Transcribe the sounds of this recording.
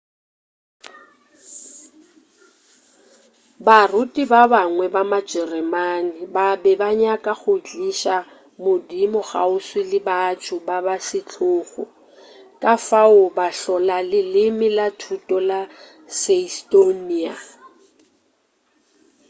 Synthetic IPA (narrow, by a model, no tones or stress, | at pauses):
barʊtʼibabaŋwɛbamad͡ʒɛrɛmanɪbabɛbaɲakʼaɣʊt͡ɬʼiʃa | mʊdimʊɣa̰ʊswɪlɪbatʰʊbabasɪt͡ɬʰʊːɣʊ̰ | kʼafaʊbaɬɔlalɪlɪmɪlatʰutʼɔla | sestʼoniːa̰